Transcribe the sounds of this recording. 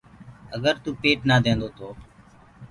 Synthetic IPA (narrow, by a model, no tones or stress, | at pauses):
əɡəɾt̪uːpeːʈnaːd̪ẽːnd̪oːt̪ʰoː